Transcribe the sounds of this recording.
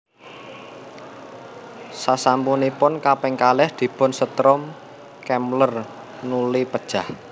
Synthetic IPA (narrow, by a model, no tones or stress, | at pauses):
sasampunipʊnkapɛŋkalɛhd̪̥i̤pɔ̤nsət̪ɾɔm | kɛmlər | nulipəd̥ʒ̥a̤h